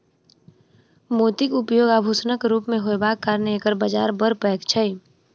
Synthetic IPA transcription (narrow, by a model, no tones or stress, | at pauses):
moːt̪ikʊpjoːɡaːbʱuːsnəkɾuːpmẽɦoebaːkːaːɾneeːkəɾbad͡ʒa̰ːɾbəɾpɛːkt͡ʃʰəj